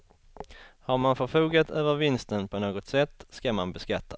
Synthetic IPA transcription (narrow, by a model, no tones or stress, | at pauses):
haɾmanfœɾfuːɡat̪ʰøːvəɾvɪnst̪ənpʰɔnoːɡɔt̪sɛt̪ːskamanbɛskat̪ːa